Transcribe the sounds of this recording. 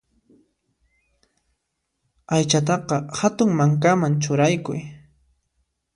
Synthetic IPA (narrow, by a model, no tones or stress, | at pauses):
ajt͡ʃat̪̬ɑqɑhat̪ʊŋmaŋkamant͡ʃʊɾajkʊj